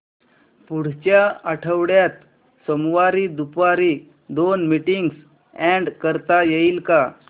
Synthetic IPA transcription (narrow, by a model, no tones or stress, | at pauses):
puɽ̤t͡ɕjaəʈʰəʋɽjat̪ | səmʋaɾid̪upaɾi | d̪onmiʈiŋɡs | ɛ̃ɳɖkəɾt̪ajeilka